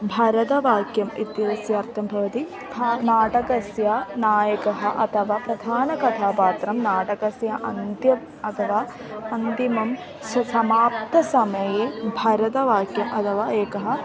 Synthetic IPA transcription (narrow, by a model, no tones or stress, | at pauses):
bʱɐɾɐt̪ɐʋaːkjɐmḭt̪ːjɐɾɐsjɐːɾt̪ʰɐmbʱɐʋɐt̪i | anaːʈɐkɐsjanaːjɐkɐɦɐʔɐ̰t̪ʰɐʋaːpɾɐd̪ʱaːnɐkɐt̪ʰaːpaːt̪ɾɐmnaːʈɐkɐsjɐʔɐnt̪jɐm | ɐt̪ʰɐʋaː | ɐnt̪imɐm | sɐsɐmaːp̚t̪ɐsɐmɐjeːbʱɐɾɐt̪ɐʋaːkjɐmʔɐt̪ʰɐʋaːeːkɐɦɐ̆